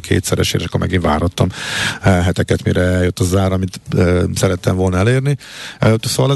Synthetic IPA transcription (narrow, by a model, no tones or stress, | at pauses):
kʰḛːt̪sɛɾɛ̰ʃḛːɾɛʃkːoɾmɛ̰ɡinva̰ːrhɒt̪ːɒm | ɦɛt̪ɛkɛt̪mḭɾɛɛljøt̪ːɒzaːɾɒmit̪øːsɛɾɛt̪ːɛmvo̞lnɒleːrni | soːʋɒlɛ